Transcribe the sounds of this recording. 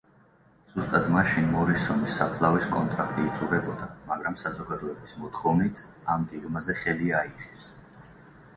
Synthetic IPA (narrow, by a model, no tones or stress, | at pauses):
z̥ust̪ʼad̪maʃinmɔɾisɔnisːapʰlˠaviskʼɔnt̪ʼɾakʰt̪ʼiːt̪sʼuɾɛbɔd̪amaɡɾamsazɔɡad̪ɔɛbismɔt̪ʰχɔvnit̪ʰ | amɡɛɡmazɛχɛliaiʁɛs